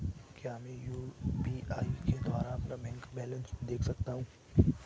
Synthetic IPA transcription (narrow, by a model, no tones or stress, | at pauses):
kjaːmẽjuːbiaːiked̪ʊʋaːɾaɐpnabɛ̃ːŋkbɛːlə̃nsd̪eːkʰsɐkt̪aɦũː